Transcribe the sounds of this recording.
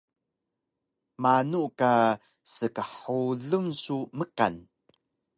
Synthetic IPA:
manuʔka | səkəħuɮəmsuməka̰n

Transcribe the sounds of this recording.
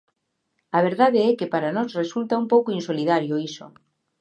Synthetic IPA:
aβ̞eɾðaðeɛkepaɾanosresult̪aumpowkoinsoliðaɾjoiso̰

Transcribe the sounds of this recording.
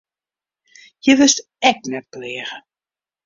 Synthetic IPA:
jəʋɪst | ɛk̚nɛt̚plɪːɣə

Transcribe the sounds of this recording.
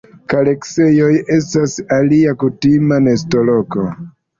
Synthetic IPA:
kalekse̞jo̞je̞stasaliakutimane̞sto̞lo̞ko̞

